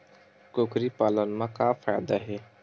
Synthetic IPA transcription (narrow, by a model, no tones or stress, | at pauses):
koːkɾipaːlənmãkafʰaːjd̪aɦe